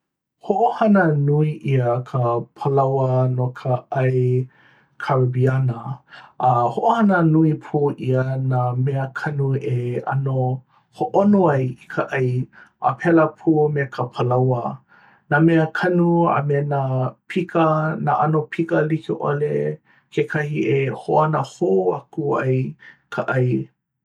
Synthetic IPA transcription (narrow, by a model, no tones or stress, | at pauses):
hoʔohɐnənuiʔiəkʰəpʰəlawənokʰəɐj | kʰaɹbiɐnəɐhoʔohɐnənuipʰuːʔiənameəkʰɐnueɐ̰no | hoʔonoɐjikʰəʔɐjʔa̰pʰɛləpʰuːmekʰəpʰəlɐwə | nameəkʰɐnua̰mɛnapʰikənaʔɐnopʰikəlikeʔo̰le | kʰekʰɐhiʔehoʔanəhoakuɐ̰jkʰaʔɐj